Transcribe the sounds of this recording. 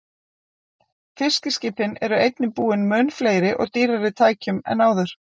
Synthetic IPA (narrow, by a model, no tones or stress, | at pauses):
fɪscɪscɪːpɪnɛɾʏejt̪nɪpuːɪnmœnfleːjɾɪʔɔ̰ɣt̪iːɾaɾɪt̪ʰaːjcʏmɛ̰naːwðʏɾ̥